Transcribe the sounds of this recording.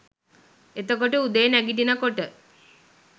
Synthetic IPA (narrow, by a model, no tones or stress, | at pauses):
et̪əkoʈəud̪əjənæɡiʈinakoʈə